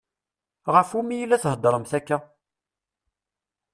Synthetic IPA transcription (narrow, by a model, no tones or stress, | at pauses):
ʁəfumijilːæθhəd̪ːɾˤəmθækːæ